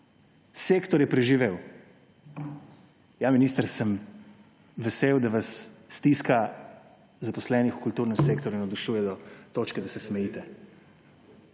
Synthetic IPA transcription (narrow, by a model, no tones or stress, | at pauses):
seːkt̪ɔɾjɛpɾɛʒiʋeːw | jaminiːst̪əɾsəm | ʋɛseːwd̪aʋasːt̪iska | zapɔslɛːnixu̥kult̪uːɾnəmseːkt̪ɔɾuinɔd̪uʃuːjɛd̪ɔt̪oːt͡ʃkɛd̪asɛsmɛjiːt̪ɛ